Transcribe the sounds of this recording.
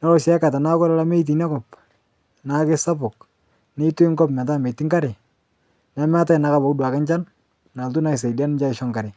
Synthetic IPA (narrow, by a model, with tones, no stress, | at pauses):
nɛ˦ɔ˦sja˦ka˨ta˨na˦kɔ˦ɾa˦la˦me˦i˦t̬i˨na˦kɔ˨p̚ | na˨kɪ˦sa˦pʊ˨k̚ | nɪ˦tu˦ɪ˦ŋɡɔ˦pma˨t̬a˦me˨ti˦ŋka˦ɾɪ˨ | nɛ˨˦m˦a˦ta˦ɪ˨na˨˦ka˨bɔ˨kdwa˨kɪ˦nt͡ʃa˦n | na˨ltu˦na˨ɪ˨s̬e˨da˦n˦t͡ʃa˦ɪ˨ʃɔ˦ŋka˨ɾɪ˨